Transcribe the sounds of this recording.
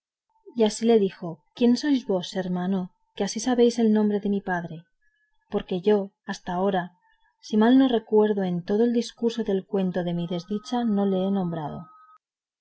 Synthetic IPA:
iasile̞ðixo̞kje̞nso̞jzβo̞se̞ɾmano | keasisaβe̞jse̞lnõ̞mbɾe̞ðe̞mipaðɾe̞ | po̞ɾke̞ʝo̞ | ast̪ao̞ɾa | simalno̞re̞kwe̞ɾðoe̞nt̪o̞ðo̞eld̪iskuɾso̞ðe̞lkwe̞nt̪o̞ðe̞miðe̞zðit͡ʃano̞le̞enõ̞mbɾað̞o̞̰

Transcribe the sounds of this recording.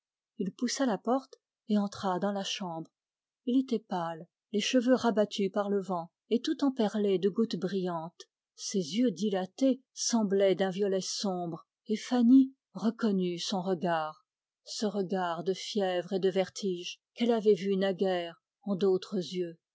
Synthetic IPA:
ilpusalapɔʁt̪ | eɑ̃t̪χad̪ɑ̃laʃɑ̃bʁ | ilet̪ɛpalː | eʃəvøʁabat̪ʰypaʁləvɑ̃ | et̪ut̪ɑ̃pɛʁled̪əɡut̪bʁijɑ̃t̪ | sezjød̪ilat̪esɑ̃blɛd̪ɛ̃vjɔlɛsɔ̃bʁ | efani | ʁəkɔnysɔ̃ʁəɡaːʁ | səʁəɡaʁd̪əfjɛvʁed̪əvɛʁt̪ʰiʒ | kɛlavɛvynaɡɛʁ | ɑ̃d̪ot̪χəzjø

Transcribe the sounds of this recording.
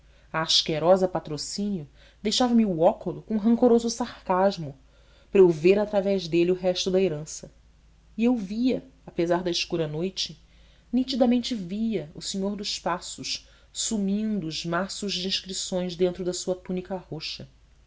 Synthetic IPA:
ɐːʃkeɾɔzɐpat̪ɾosĩnjʊ | d̪ejʃavɐmiuɔkʊlʊkõɦɐ̃ŋkoɾozʊsaχkaʒmʊ | pɾewveɾat̪ɾavɛʒd̪eliʊɦɛʃt̪ʊd̪ɐeɾɐ̃sɐ | iewviɐapezaɾd̪ɐɪʃkuɾɐnojt͡ʃɪ | nit͡ʃid̪ɐmẽnt͡ʃɪviɐʊseɲoɾd̪ʊʃpasʊʃ | sumĩnd̪ʊːzmasʊʒd͡ʒĩʃkɾisõj̃ʒd̪ẽnt̪ɾʊd̪ɐsuɐt̪unikɐhoʃɐ

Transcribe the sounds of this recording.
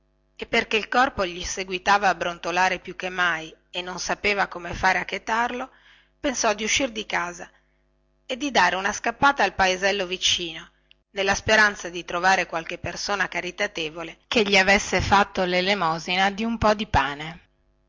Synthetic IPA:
epːerkeilkɔrpoʎiseɡwit̪aːvaːbɾont̪olaːɾepjukːemːajenːonsapeːvakomefaːɾeakːet̪arlo | pensɔd̪iuʃːird̪ikaːza | ed̪ːid̪aːɾeunaskapːaːt̪aːlpaezɛlːovit͡ʃiːno | nelːaspeɾant̪sad̪it̪ɾovaːɾekwalkepːersoːnakaɾit̪at̪eːvolekeʎːiavesːefat̪ːolelemɔːzinad̪iumpɔd̪ipaːne

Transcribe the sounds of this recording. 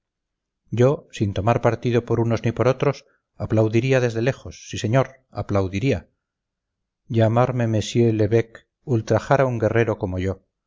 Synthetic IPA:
ɟ͡ʝo̞sint̪o̞maɾpaɾt̪iðo̞po̞ɾuno̞znipo̞ɾo̞t̪ɾo̞s | aplawðiɾiaðe̞zðe̞le̞χo̞sːise̞ɲo̞ɾ | a̰plawðiɾia | ʝamaɾme̞me̞sjele̞βek | ult̪ɾaχaɾauŋɡe̞re̞ɾo̞ko̞mo̞ʝo

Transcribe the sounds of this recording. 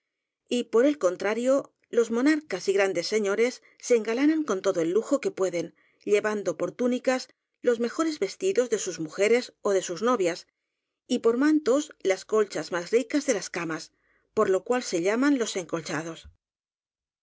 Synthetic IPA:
ipo̞ɾe̞lko̞nt̪ɾaɾjo̞ | lo̞zmo̞naɾkasiɣɾand̪e̞sːe̞ɲo̞ɾe̞sː | e̞ːŋɡalanaŋko̞nt̪o̞ðo̞e̞lːuxo̞ke̞pwe̞ðe̞n | ʎe̞βand̪o̞po̞ɾt̪unikas | lo̞zme̞xo̞ɾe̞zβe̞st̪iðo̞zðe̞suzmuxe̞ɾe̞so̞ðe̞suzno̞βjas | ipo̞ɾmãnt̪o̞slasko̞lt͡ʃazmasrikazðe̞laskamas | po̞ɾlo̞kwalse̞ʎamanlo̞se̞ŋko̞lt͡ʃað̞o̞s

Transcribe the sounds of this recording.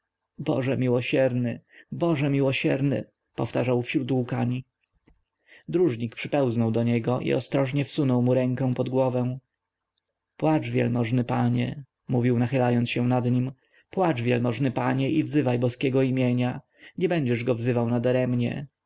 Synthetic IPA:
bɔ̰ʐɛmʲiwɔɕɛɾnɘbɔʐɛmʲiwɔɕɛɾnɘ̰ | pɔft̪aʐawfɕɾut̪ukaɲi | d̪ɾuʐɲikpʂɘpɛw̃znɔwd̪ɔɲɛɡɔʔḭɔ̰st̪ɾɔʐɲɛfsunɔwmuɾɛŋkɛ̃w̃pɔd̪ɡwɔvɛ̃w̃ | pwat͡ʂvʲjɛ̰lmɔʐnɘpaɲɛ̰ | muvʲiwnaxɘlajɔnt̪sɕɛ̃nad̪ɲim | pwat͡ʂvʲjɛlmɔʐnɘpaɲɛʔivzɘvajbɔskʲɛɡɔimʲjeɲa | ɲɛbɛɲd͡ʑɛʐɡɔvzɘvawnad̪aɾɛmɲɛ̰

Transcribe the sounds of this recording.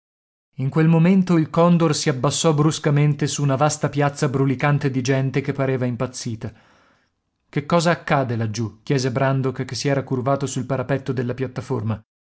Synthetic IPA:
iŋkwelmoment̪oilkɔnd̪orsiabːasːɔbɾuskament̪esuːnavast̪apjat̪sːabɾulikant̪ed̪id͡ʒɛnt̪ekepːaɾeːvaimpat̪sːiːt̪a | kekːɔːzaːkːaːd̪elad͡ʒːuk̟jɛːzebɾand̪okkːesːiɛːɾakurvaːt̪osulpaɾapɛt̪ːod̪elːapjat̪ːaforma

